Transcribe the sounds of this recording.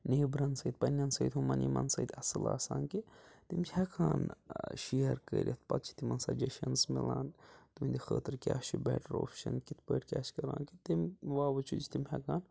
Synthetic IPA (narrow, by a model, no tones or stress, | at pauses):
neːbɾɐnsɐːd̪̚ʲpɐnʲːɐnsɐːjt̪ʲhumɐnimɐnsɐjd̪ʲɐsɨlaːsaːnkit̪imt͡ʃhɐkʰaːnʃiɐɾkə̰ːɾʲɐt̪ʰpɐt̪̚t͡ʃʰi̥t̪imɐnsaːd͡ʒɐʃɐnsmilaːnt̪umind̪ʲixəːt̪ɨɾkʲaːʃibɛ̰ːʈɾoːfʰʃɐnkit̪̚ʰpəːʈkʲaːʃkɐɾaːnkit̪imʋaːʋɐt͡ʃʰut͡ʃʰt̪imhʲɐkaːn